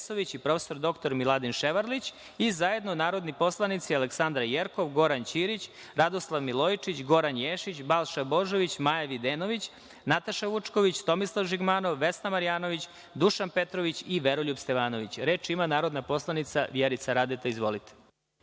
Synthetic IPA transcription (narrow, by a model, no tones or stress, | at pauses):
soʋit͡ɕipɾo̞fe̥so̞ɾd̪o̞kt̪o̞ɾmilˠad̪inʃeʋaɾlit͡ɕ | izaje̞d̪nonaːɾo̞d̪nipo̞slˠanit̪sialeksand̪ɾajeɾko̞ʋɡo̞ɾant͡ɕiːɾit͡ɕ | ɾad̪oslˠaʋmilˠo̞jt͡ʂit͡ɕɡo̞ɾanjeːʃit͡ɕbalˠʃabo̞ʒo̞ʋit͡ɕmajaʋid̪eːnoʋit͡ɕ | nat̪aʃaʋut͡ʂko̞ʋit͡ɕt̪o̞mislˠaʋʒiɡmaːno̞ʋːesnamaɾijaːno̞ʋit͡ɕ | d̪uʃanpe̞t̪ɾoʋit͡ɕiʋeɾoʎubst̪eʋaːno̞ʋit͡ɕɾe̞ːt͡ʃimanaːɾod̪napo̞slˠanit̪saʋjeɾit̪saɾad̪et̪aizʋo̞̰lit̪e̥